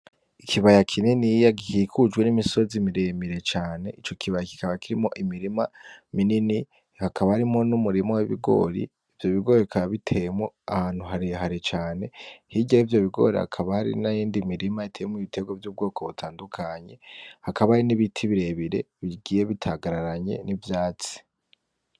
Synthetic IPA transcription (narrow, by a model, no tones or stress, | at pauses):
ikʰiβajakʰininijaɡihikʰud͡ʒɡwe̞nimiso̞zimiɾemiɾe̞t͡ʃaːne̞ʔit͡ʃo̞kʰiβajaki̥kaβakiɾimo̞ʔimiɾimaminini | hakʰaβahaɾimo̞numuɾimoweβḭɡo̞̰ːɾḭːvjo̞βiɡo̞ːɾikʰaβaβitʰe̞jemoahaːn̥huɦaɾiɦaɾit͡ʃaːne̞hiɟeivjo̞βiɡo̞̰ːɾḭa̰kʰaβahaɾḭnajiːndimiɾimaitʰejemoiβitʰe̞ɡwovjuːb̚ɡo̞ːkʰo̞βutʰaːndukʰaɲe̞hakaβahaɾiniβitʰiβiɾe̞βiɾe̞̰βiɡiːje̞βitʰaɡaɾaɾaɲe̞̰nivjaːt͡si̥